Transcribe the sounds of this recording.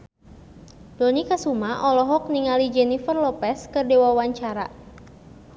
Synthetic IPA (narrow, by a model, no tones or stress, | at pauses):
dɔnikasumaʔɔlɔɦɔk̚niŋalid͡ʒɛnifərlɔpɛskərdewawaɲt͡ʃaɾa